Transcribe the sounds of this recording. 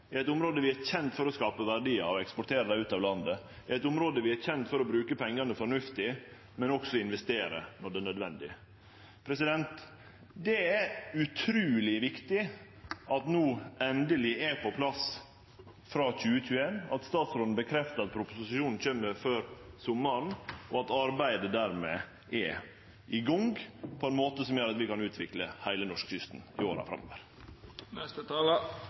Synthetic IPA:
ɪæɛt̪ʊmɾoːd̪əʋɪæɾçɛnt̪fɔɾɔskɑːpəʋæɖiːɑ̰ɔɛkspɔʈʰeːɾəd̪æɪʉːt̪ɑːʋlɑnd̪əɪɛt̪ʊmɾoːd̪əʋɪæɾçɛnt̪fɔɾɔbɾʉːkəpʰɛŋːɑnəfɔɳʉft̪ɪ | mɛnɔksɔɪnʋɛst̪eːɾə̰nɔɖɛːnœd̪ʋɛnd̪ɪ̰ | pʰɾɛsɪd̪ɛnt̪ | d̪ɛæɾʉt̪ʰɾʉːlɪʋɪkt̪ɪ | ɑt̪nuːɛnd̪əlɪɛpʰɔpʰlɑs | fɾɑːc͡çʉːəc͡çʰʉːenɑ̰t̪st̪ɑːt̪sɾoːd̪n̩bəkʰɾɛft̪əɾɑt̪̚pʰɾʊpʊsɪsɪʃuːnn̩çeːmːəɾføːɾsʊmːəɳʔɔɑt̪ɑɾbæɪd̪əd̪æɾmḛ | ɛ | ʔɪɡɔŋɡpʰɔɛnmoːt̪əsɔmjøːɾɑt̪ʋɪkɑnʉːt̪ʰʋɪkləhæɪlənɔʂkʃʏst̪n̩ɪoːɾɑ̰fɾɑ̰mːɔ̰ʋə̰ɾ | nɛst̪ət̪ɑl

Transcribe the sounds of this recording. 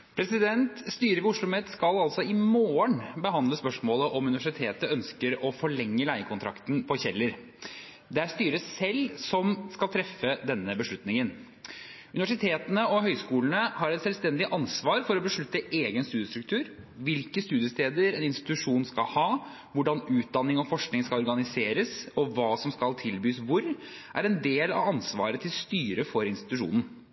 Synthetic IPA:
pʰɾɛsɪd̪ɛnt̪st̪yːɾəʋɪʊʂɭʊmɛt̪skɑlɑlsɔɪmoːəɳbəɦɑnd̪ləspœʂmoːləʔɔmʉnɪʋæʂɪt̪ʰeːt̪əœnskəɾɔfɔɭɛŋːəlæɪəkʰʊnt̪ʰɾɑ̰kt̪n̩pʰɔçɛlːəɾ | d̪ɛæɾst̪yːɾəsɛlːsɔmskɑlt̪ʰɾɛfːəd̪ɛnːəbəʂɭʉt̪nɪŋən | ʉnɪʋæʂɪt̪ʰeːt̪ənəɔɦœʏskuːlnəhɑɾɛt̪sɛlʋst̪ɛnd̪ɪʔɑnsʋɑːɾfɔɾɔbəʂɭʉt̪ːəʔeːɡənst̪ʉːd̪jəst̪ɾʉkt̪ʰʉːɾ | ʋɪlkəst̪ʉːd̪ɪjəst̪eːd̪əɾɛnɪnst̪ɪ̥t̪ʉʂuːnskɑlhɑː | ʋʊɖɑnʉːt̪̚d̪ɑnːɪŋɔfɔʂknɪŋskɑlɔɾɡɑnɪseːɾəsɔʋɑːsɔmskɑlt̪ʰɪlbyːsʋʊɾ | ʔæ̰ɾɛnd̪eːlɑ̰ʋɑnsʋɑ̰ːɾət̪ʰɪlst̪yːɾəfɔɾɪnst̪ɪ̥t̪ʉʂṵːnən̩

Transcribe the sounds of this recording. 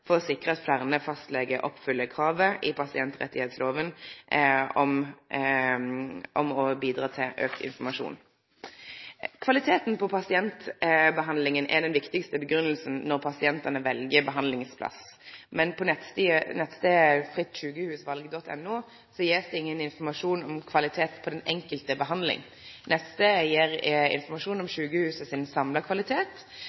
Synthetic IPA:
fɔʁɔsɪkːʁəɑt̪flæʁnəfɑst̪lɛɡəʔɔpːfʏlːəkʰʁɑːʋəʔɪpʰɑsɪɛnt̪ʁɛ̰t̪ːɪheːt̪sloːʋən | ɔm | ʔɔmɔbiːd̪ɾɑːt̪ʰɪlʔøːkʰɪ̰nfɔmɑʂṵːn | kʰʋɑlɪt̪ʰeːt̪n̩pʰɔpʰɑsɪɛnt̪bəɦɑnd̪lɪŋənʔɛ̰d̪ɛnʋɪkt̪ɪkst̪əbəɡɾʉnːəlsn̩ːɔʁpʰɑsɪɛnt̪ɑnəʋɛlɡəbəɦɑnd̪lɪŋspʰlɑ̰smɛnpʰɔnɛt̪t̪ːnɛt̪ːst̪eːfʁɪt̪ːɕʉːɡəhʉːsʋɑlɡəd̪ɔt̪ʰːɛ̰nːuː | sɔjeːsd̪ɛɪŋːənɪnfɔmɑʂuːnɔmkʰʋɑlɪt̪ʰeːt̪pʰɔd̪ɛnɛŋkəlt̪əbəɦɑnd̪lɪ̰ŋ | nʔɛsst̪əjeɾɪ̰nfɔmɑʂuːnɔmʃʉːɡəhʉːsəsɪnsɑmləkʰʋɑlɪt̪ʰeːt̪

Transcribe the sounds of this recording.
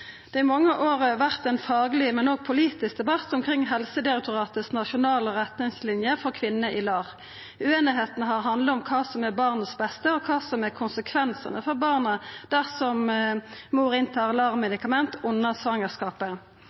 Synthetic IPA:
d̪̥ɛːɪmɑŋːəʔoːʁəʋæʁt̪ɛnfɑːɡəlɪmɛnoːɡ̚pʰʊliːt̪ɪsk̚d̪ɛbɑt̪ːʊmkʰʁɾɪŋːɦɛlsəd̪ɪɑk̚t̪ʊʁɑːt̪əsnɑʃʊnɑːləʁɛt̪nɪŋslɪnjəfɔʁkʰʋɪnːəʔɪlɑːʁ | ʉeːnɪɦeːt̪nəɦɑʁɦɑnd̪ləɔmkʰɑːsɔmæʁbɑʁnəsbɛst̪əɔkʰɑːsɔmæʁkʰʊnsəkʰʋɛnsə̰nəfɔʁbɑːʁnəd̪̥æʁsɔm | muːʁɪnt̪ʰɑːʁlɑːʁmɛd̪ɪkɑmɛnt̪ʔʊnːəsʋɑŋəskɑːpə

